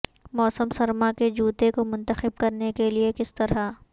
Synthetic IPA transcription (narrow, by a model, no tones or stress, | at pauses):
mɔːsəmsɐɾmaked͡ʒuːt̪ekomʊ̃nt̪əxɪb̚kɐɾnekeliekɪst̪ɐɾa